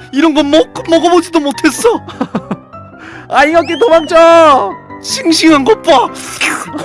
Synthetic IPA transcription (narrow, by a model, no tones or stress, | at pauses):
iɾʌnɡʌnmʌk͈ɯmʌɡʌbod͡ʑidomotʰe̞s͈ʌ | aiŋʌk̬͈etomaŋt͡ɕ͈ʌ | ɕʰiŋɕʰiŋanɡʌp͈a